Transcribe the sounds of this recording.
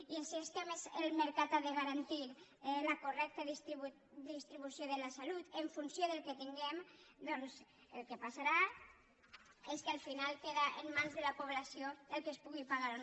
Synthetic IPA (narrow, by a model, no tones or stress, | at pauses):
ielsist̪emezelmeɾkat̪aðeɣaɾant̪iɾlakurɛk̚t̪əð | d̪ist̪ɾiβusjoðelasalut̪eɱfunsjoðelˠket̪iŋɡemd̪ɔnz | elˠkepasaɾa | eskalfinalˠkeðaʔemːanzðelapuβlasjoelkespuɣipaɣaɾo